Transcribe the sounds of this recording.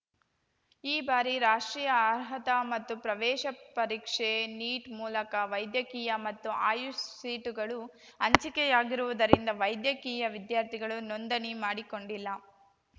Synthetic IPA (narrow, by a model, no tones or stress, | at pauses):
iːbaːɾiɾaːʂʈɾiːjɐɾɦɐt̪ɐmɐt̪ːupɾɐʋɛːʃɐpɐɾiːkʂeniːʈmuːlɐkɐʋɐjd̪jɐkiːjɐmɐt̪ːuaːjussiːʈuɡɐɭu | ɐɲt͡ʃikɛjaːɡiɾuʋud̪ɐɾind̪ɐʋɐjd̪jɐkiːjɐʋid̪jaːɾt̪ʰiɡɐɭunond̪ɐnimaːɽiko̞ɳɖilːɐ